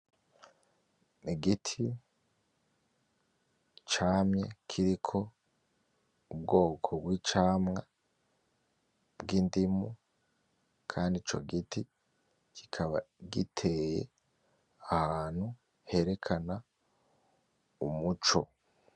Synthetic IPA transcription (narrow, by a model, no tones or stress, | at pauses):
niɡitʰi | t͡ʃaːmɲḛkʰiɾikʰo̞ | ub̚ɡo̞ːkʰobwit͡ʃaːmŋa | bɡiːndimu | kʰaːndit͡ʃo̞̰ɡiti | kʰi̥kʰaβa̰ɡitʰejḛ | ahaːn̥hu | he̞ɾe̞kʰana | umut͡ʃo̞